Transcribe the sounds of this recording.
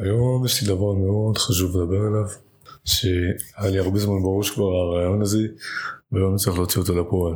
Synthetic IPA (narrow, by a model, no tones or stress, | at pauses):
ajo̞mjeʃlid̪avaʁmeood̪χaʃuvmed̪abe̞ʁelav | ʃeajaliaʁbezmanbaʁuʃkvaʁaʁaːjo̞naze̞veajomt͡ssaʁiχleot͡siot̪olapoal